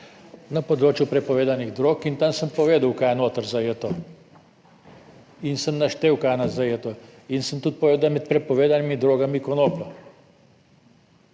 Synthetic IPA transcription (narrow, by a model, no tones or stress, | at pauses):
napɔd̪ɾoːt͡ʃjupɾɛpɔʋeːd̪aniɣd̪ɾoːkint̪amsəmpɔʋeːd̪awkaːjɛnoːt̪aɾzajeːt̪ɔ | insəmnaʃt̪eːwkaːnazajeːt̪ɔinsəmt̪ut̪̚pɔʋeːd̪amɛt̪̚pɾɛpɔʋeːd̪animid̪ɾoːɡamikɔnoːplɔ